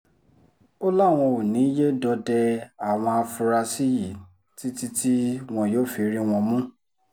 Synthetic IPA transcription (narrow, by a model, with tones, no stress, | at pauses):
o˦la˦˨w̃ɔ̃˧o˨nĩ˨˦je˦dɔ˧dɛ˧a˨w̃ɔ̃˧a˧fũ˧ɾa˧si˦ji˨ | ti˦ti˦ti˦w̃ɔ̃˧joː˦fi˧ɾi˦w̃ɔ̃˧mũ˦